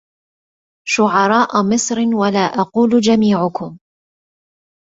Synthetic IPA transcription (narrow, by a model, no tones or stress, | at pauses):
ʃʊʕɑɾˤɑːʔʊmɪsˤɾɪnwalaːʔɑquːld͡ʒamiːʕʊkʊm